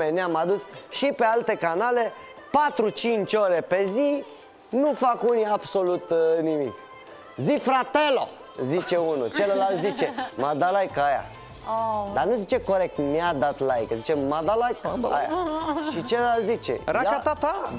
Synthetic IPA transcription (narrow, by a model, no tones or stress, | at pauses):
enjamad̪usʃipealt̪e̞kanale | pat̪ɾut͡ʃint͡ʃoɾe̞pe̞zi | nufakuniabso̞lut̪nimik | zifɾat̪elo | zit͡ʃe̞unṵt͡ʃelelalt̪zit͡ʃemad̪alajkaja̰ | d̪anuzit͡ʃe̞koɾek̚t̪mjad̪at̪lajkzit͡ʃemad̪alajka̰ja̰ʃit͡ʃellalt̪zit͡ʃḛɾaakat̪at̪a